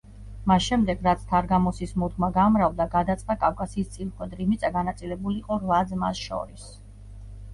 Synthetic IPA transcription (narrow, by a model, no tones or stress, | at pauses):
masʃɛmd̪ɛɡɾat̪sʰt̪ʰaɾɡamɔsismɔd̪̚ɡmaɡamɾavd̪aɡad̪at̪sʼχd̪akʼafkʼasiːst̪sʼilχwɛd̪ɾimit̪sʼaɡanat̪sʼilɛbuliːqʼɔɾvad̪zmasʃɔ̰ɾis